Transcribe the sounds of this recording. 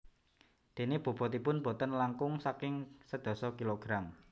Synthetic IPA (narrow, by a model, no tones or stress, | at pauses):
d̪̥e̤neb̥o̤b̥ɔ̤t̪ipʊnb̥o̤t̪ənlaŋkʊŋsakɪŋsəd̪̥ɔ̤sɔkiloɡ̥ɾam